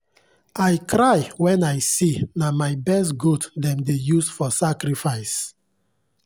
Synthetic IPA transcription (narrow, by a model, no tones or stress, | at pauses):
ajkʰɾajwɛ̃najsinamajbɛs̬tɡutdɛ̃mdejusfɔsakɾifaɪs